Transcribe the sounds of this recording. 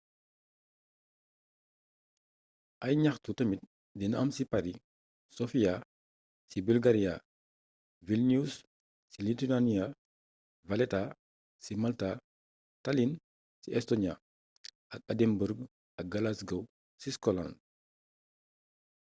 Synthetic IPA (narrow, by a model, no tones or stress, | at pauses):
ʔɐjɲaxtutɐmit̚ | dinɐmsipaɾi | sofia | sibulɡaɾia | vilnus | silitinania | valɛta | simalta | talin | siɛstoɲia̰ | ʔɐk̚adɛmbuɾɡ | ʔɐk̚ɡalasɡow | siskɔla̰nd